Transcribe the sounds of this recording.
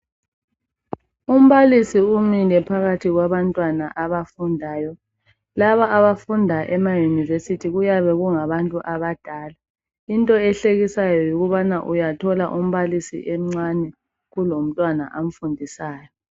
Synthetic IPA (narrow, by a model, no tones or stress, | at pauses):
um̩βalisiumilɛpʰaɣatʰiɣwaβantʼwanaʔaβafundʱaːjɔ | laβaːβafundʱaʔɛmajunivesitʰiɣujaβɛɣuŋaβantʼuʔaβad̥ʱaːla | intʼɔɛɬeɣisajɔjuɣuβanaʔujatʰɔla̰ʔum̩βalisḭʔɛm̩ŋ͡ǀanɛ | ɣulom̩tʼwana̰ʔam̩fundʱisaːjɔ